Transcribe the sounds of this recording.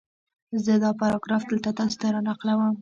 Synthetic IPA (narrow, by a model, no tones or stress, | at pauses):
zəd̪ɑpaɾɑɡɾɑfd̪əlt̪at̪ɑso̥t̪aɾɑnɑqlawəm